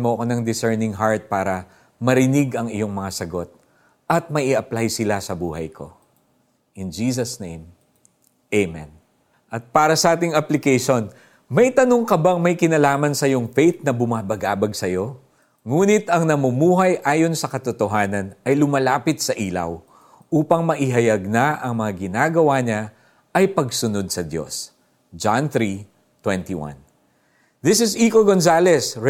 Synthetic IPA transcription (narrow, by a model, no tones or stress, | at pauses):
mokonɐŋd̪ɪsɛɹnɪŋɦaɹt̪̚paːɾɐ | mɐɾɪnɪɡɐŋɪjo̞ŋmɐŋasɐɡo̞t̪̚ | ʔɐt̪̚mɐʔɪʔɐplajsɪlasɐbuːhɐjkʰo̞̰ | ʔɪnd͡ʒiːs̬ɐsnejm | ʔejmɛ̰n | ʔɐt̪̚paːɾɐsɐʔaːt̪ɪŋɐplɪkɛjʃo̞n | mɐjt̪ɐnoŋkɐbaŋmɐjkɪnɐlaːmɐnsɐjo̞ŋfejt̪̚nɐbʊmaːbɐɡaːbɐɡ̚sɐjo̞ | ŋuːnɪt̪ɐŋnɐmumuːɦɐjʔaːjo̞nsɐkɐt̪ʊt̪oɦaːnɐnɐjlʊmɐlaːpɪt̪̚sɐʔiːlɐ̰w | ʔuːpɐŋmɐʔɪɦɐjɐɡ̚nɐʔɐŋmɐŋaɡɪnaːɡɐwaɲa | ʔɐjpɐɡsʊno̞d̪̚sɐd̪jo̞̰s | d͡ʒanθɾi | t̪wɛnt̪ḭwã̰n | d̪ɪsɪsikoɡonsalɛs